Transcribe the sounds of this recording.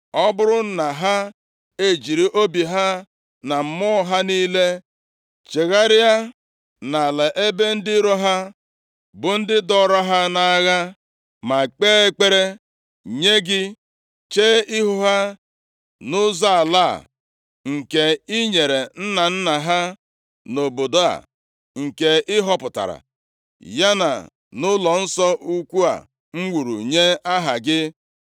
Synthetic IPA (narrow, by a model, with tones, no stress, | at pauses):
ɔ˦bʊ˦ɾʊ˦n̩˦na˨ɦa˦ | e˦d͡ʒi˨ɾi˦ʔo˦bi˨ɦa˦ | na˨m̩˨mɔ˦ɦa˦niː˦le˦ | t͡ʃe˨ɣa˦ɾɪ˦ja˦ | na˨lɛ˨ʔe˦be˦n̩˦dɪ˦ɾo˦ɦa˦ | bʊ˨n̩˦dɪ˦dɔ˦˨ɾɔ˦ɦa˦na˨˦ɣa˦ | ma˨k͡peː˦e˦k͡pe˦ɾe˦ | ɲe˦ɡɪ˦ | t͡ʃeː˦ɪ˦ɦʊ˦ɦa˦ | nʊ˦za˦a˨la̰˦˨ | ŋ̩˨ke˨ɪ˦ɲe˨ɾe˨n̩˦na˨n̩˦na˨ɦa˦ | no˨bo˨do˨a̰˨ | ŋ̩˨ke˨ʔɪ˦ɦɔ˦pʊ˨ta̰˨ɾa̰˨ | ja˦na̰˨ | nʊ˦lɔ˨n̩˦sɔ˦ʔu˦kʷu˦a̰˨ | ŋ͡m̩˦wʷu˨ɾṵ˨ɲe˦a˦ɦa˨ɡɪ˦